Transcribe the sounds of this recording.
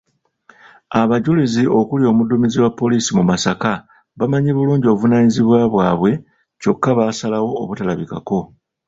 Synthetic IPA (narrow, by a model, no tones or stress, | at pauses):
aβaɟulizio̞kulio̞ːmudumiziwapːo̞liːsimumasaka | βamaɲeβuluːɲɟio̞βvunaːɲiziβwaβwaːβwe̞ | co̞kːaβaːsalawo̞ːβutalaβika̰ko̞